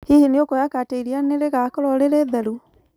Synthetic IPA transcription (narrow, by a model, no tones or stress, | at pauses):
hihiniokɔjakateiɾianeɾeɣakɔɾɔɾeɾeðaɾu